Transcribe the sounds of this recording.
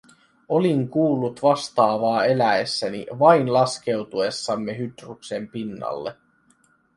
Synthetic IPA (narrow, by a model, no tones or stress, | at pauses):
o̞liŋkuːlːut̪ʋɑst̪ɑːʋɑːe̞læesːænḭʋɑinlɑsk̟e̞wt̪ue̞sːɑmːe̞ɦyt̪rukse̞mpinːɑ̰lːe